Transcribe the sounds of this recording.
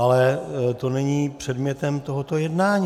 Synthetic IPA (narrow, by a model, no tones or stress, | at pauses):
alɛt̪o̞nɛɲiːpr̝̥ɛdmɲɛt̪ɛmt̪oɦot̪o̞jɛdnaːɲː